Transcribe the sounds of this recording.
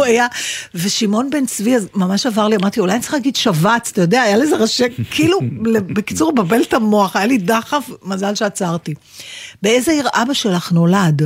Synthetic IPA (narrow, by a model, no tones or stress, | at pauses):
ajave̞ʃimo̞nbe̞nt͡sviazmamaʃavaʁliamaʁt̪iulajanit͡sse̥iχlaɡid̪ʃavat͡sat̪ajodeaːjalezeʁaʃekʰːilulebekit͡suʁbabe̞ltamo̞aχajalidaχafmazalʃeat͡saʁt̪i | beezeiʁʔabaʃelaχno̞lad